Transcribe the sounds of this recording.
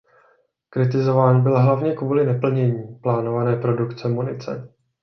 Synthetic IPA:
kɾɪt̪ɪzo̞vaːnbɪlɦlavɲɛkvuːlɪnɛpl̩ɲɛɲiːplaːno̞vanɛːpɾo̞dukt͡sɛmunɪt͡sɛ̰

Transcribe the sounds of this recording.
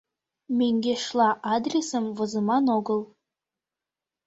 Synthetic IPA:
mʲeŋɡʲeʃlˠɑʔɑd̪rʲesəmvɤ̆zə̆mɑnoɡəlˠ

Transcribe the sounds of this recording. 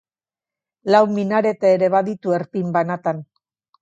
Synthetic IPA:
lawminaɾe̞t̪aːɾe̞βaðit̪ue̞ɾpimbanat̪an

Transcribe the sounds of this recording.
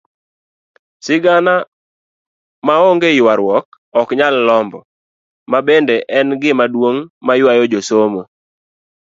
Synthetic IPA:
sɪɡana | maoŋɡeɪwaɾwɔk̚ | ɔkɲalːɔmbɔ | mabendeʔɛnɡɪmadwoŋmajwajɔd͡ʒosomo

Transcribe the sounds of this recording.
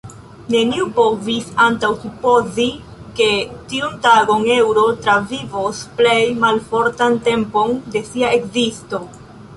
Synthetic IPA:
ne̞niupo̞visantawsupo̞zi | ke̞tiuntaɡo̞ŋe̞wɾo̞tɾavivosple̞jmalfo̞ɾtante̞mpo̞nde̞siae̞kzisto̞

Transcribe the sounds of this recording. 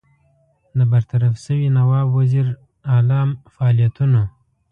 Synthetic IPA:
d̪əbaɾt̪aɾafsəwinawɑbwaziɾ | ɑlɑmfaɑlijat̪uno

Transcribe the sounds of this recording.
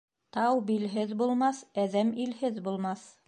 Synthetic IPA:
t̪ɑwbilɦɘðbulˠmɑθæðæmilhɘðbulˠmɑθ

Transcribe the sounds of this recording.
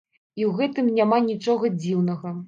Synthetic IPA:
iwɣɛt̪ɨmnʲamanʲit͡ʂɔɣɐd͡zʲiwnɐɣɐ

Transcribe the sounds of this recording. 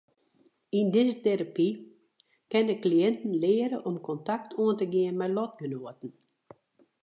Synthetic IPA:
indɪzəteɾapi | kɛnəkliɛntn̩lɪəɾəʔɔmkʰɔntak̚tʰuəntəɡiənmɛjlɔt̚ɡənoətn̩

